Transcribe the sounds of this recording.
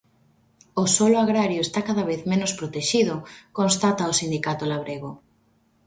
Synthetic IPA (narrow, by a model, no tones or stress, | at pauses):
ʊsolʊaɣɾaɾjoest̪akaðɐβeθmenospɾot̪eʃiðʊkonst̪at̪aosind̪ikat̪olaβɾeɣo